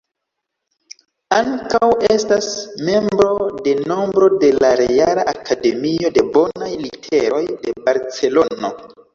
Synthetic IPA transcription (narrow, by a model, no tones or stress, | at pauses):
aŋkawe̞stasme̞mbɾo̞de̞no̞mbɾo̞de̞laɾejalaʔakade̞mio̞de̞bo̞najlitʰe̞ɾo̞jde̞baɾt͡se̞lo̞no̞̰